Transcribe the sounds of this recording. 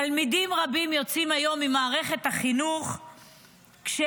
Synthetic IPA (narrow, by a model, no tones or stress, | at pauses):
almidimʁabimjo̞t͡simajo̞mːimaːʁe̞χe̞t̪haχinuχ | kʃe